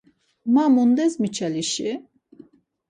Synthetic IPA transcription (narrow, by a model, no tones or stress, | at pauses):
mamund̪ɛzmit͡ʃʰaliʃi